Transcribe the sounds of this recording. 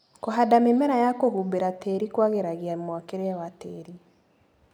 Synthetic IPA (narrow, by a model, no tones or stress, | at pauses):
koɦadamemɛɾajakoɦubeɾateɾikwaɣeɾaɣeamwakeɾeɛwateːɾi